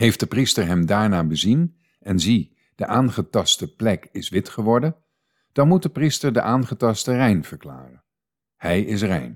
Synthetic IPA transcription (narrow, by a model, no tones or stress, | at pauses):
ɦejft̚dəpristəɹɦɛmdaːɹnaːbəzin | ɛnzi | d̥əʔaːnχətɑstəplɛkɪsʋɪtχəʋɔɹdən | d̥ɑnmutdəpristəɹdəʔaːnχətɑstərɛjnv̥əɹkla̰ːrə | hɛjɪs̬rɛ̰jn